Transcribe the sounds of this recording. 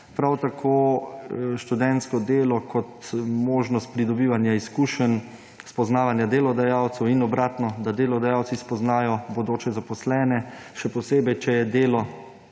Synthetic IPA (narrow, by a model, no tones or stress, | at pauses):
pɾawt̪akʰoː | ʃt̪ud̪ɛnt̪skɔd̪eːlɔkʰɔt̪moːʒnɔst̪̚pɾid̪ɔbiːʋanjaiskuːʃən | spɔznaːʋanjad̪eːlɔd̪ajaːwt̪sɛwinɔbɾaːt̪nɔd̪ad̪eːlɔd̪ajaːw̪sispɔznaːjɔbod̪oːt͡ʃɛzapɔslɛːnɛʃɛpɔseːbɛjt͡ʃɛjɛd̪eːlɔ